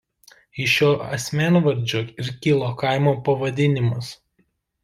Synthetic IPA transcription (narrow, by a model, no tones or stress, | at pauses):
ɪʃʲoːɐsʲmʲæːnʋɐɾʲd͡ʒʲoːɪɾkʲɪlˠoːkɑˑɪmoːpɐʋɐd̪ʲɪnʲɪmʊs